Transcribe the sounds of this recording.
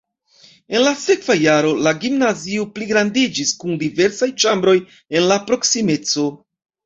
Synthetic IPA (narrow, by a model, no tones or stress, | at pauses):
e̞nlase̞kv̥ajaɾo̞laɡimnaziopliɡɾandid͡ʒiskundive̞ɾsajt͡ʃambɾo̞j | e̞nlapɾo̞ksime̞t͡so̞